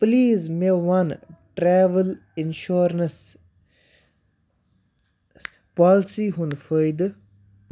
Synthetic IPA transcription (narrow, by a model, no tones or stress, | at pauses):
pliːzmeʋɐnʈɾɛːʋəl | ɪnʃoːɾnəs | pɔːlsiɦũnfəjd̪